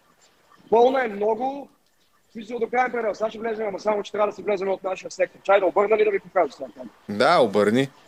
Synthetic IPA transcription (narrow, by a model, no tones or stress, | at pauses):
pɤlˠnəɛmnɔɡʊ | sit̪sɛod̪okɾajɛmpɾɛd̪ɛlˠsaʃivlɛzɛmamɐsamot͡ʃɛ̥t̪ɾɛad̪ɐsivlɛzɛmɛot̪naʃijəsɛk̚t̪oɾt͡ʃajd̪ɐobɤɾnɐlid̪ɐvipokɾazəsamt̪am | d̪aobəɾni